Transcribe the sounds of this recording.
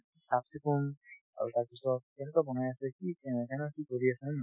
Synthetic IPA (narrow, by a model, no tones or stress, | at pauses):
sap̚sekun | a̰ɹṵtaɹbisɔtɛnɛkɔbɔnajasɛkikɛɛkanɔkikoɹiasɛ